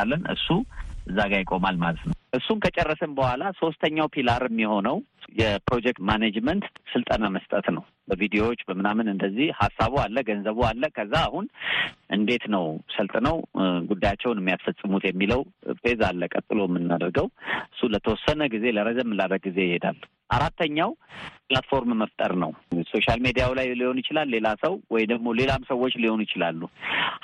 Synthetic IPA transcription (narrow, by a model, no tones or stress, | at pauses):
alːənɨ̰sːuʔɨzːaɡajɪkʼo̞malmalət̪nəwʔɨsːunkʰət͡ʃʼɛrːəsəmbəhʷwʷalaso̞st̪ʰəɲːawpʰilaɾmːiho̞nəwjɛpɾo̞d͡ʒɛk̚t̪manad͡ʒmənt̪sɨlt̪ʼənaməst̪ʼət̪nəw | bəvid̪ijo̞wot͡ʃːbəmːɨnamɨnɨnd̪əzːihhasːaβoalːəɡənzəβoalːəkʰəzːaːhunʔɨ̰nd̪e̞t̪nəwsəlt̪ʼnəwɡud̪ːajat͡ʃːɛwnɛmːijasfəsʼːɨmut̪jɛmːiləwfe̞zalːəkʼət̪ʼːɨlo̞jɛmːɨnːad̪əɾɡəwʔɨsːulət̪ʰəwɔsːənəɡize̞ləɾəzəmːɨlːaɾːəɡize̞jɪhed̪a̰lː | ʔaɾat̪ʰːəɲːawplat̪fo̞ɾmməft̪ʼə̰ɾnəwso̞ʃalmed̪ijawlajliho̞njɪt͡ʃɪlalːe̞lasəwwɔjd̪əɡmo̞le̞lamsəwo̞t͡ʃːliho̞njɪt͡ʃɪlalːu